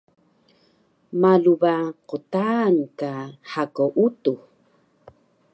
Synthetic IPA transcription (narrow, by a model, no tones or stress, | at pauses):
malubaqutankaħakowʔutu